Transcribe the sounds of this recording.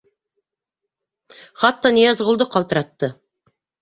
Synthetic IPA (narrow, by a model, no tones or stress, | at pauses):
χɑt̪ːɑnijɑzʁəlˠd̪əqʰɑlˠt̪əɾɑt̪ːə